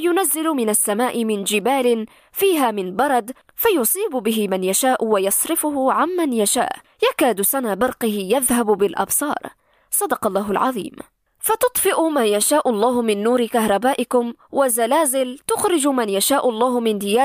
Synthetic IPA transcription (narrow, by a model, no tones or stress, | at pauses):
jʊnazːɪlʊmɪnasːamaːʔɪmɪnd͡ʒɪbaːlɪn | fiːɦaːmɪnbɑɾˤɑd̪ | fajʊsˤiːbʊbɪɦɪmanjaʃaːʔʊwajɑsˤɾɪfʊhʊʕamːanjaʃa̰ːʔ | jakaːd̪ʊsanaːbɑɾˤqɪhɪjaðhabbɪlʔɑ̰bsˤɑ̰ːɾˤ | sˤɑd̪ɑqɑlˤːɑːɦʊlʕɑ̰ðˤḭːm | fat̪ʊt̪ˤfɪʔʊmaːjaʃaːʔʊlˤːɑːhʊmɪnːuːɾɪkaɦɾˤɑbaːʔɪkʊm | wazalaːzɪlt̪ʊxɾɪd͡ʒʊmanjaʃaːʔʊlˤːɑːhʊmɪnd̪ɪjaː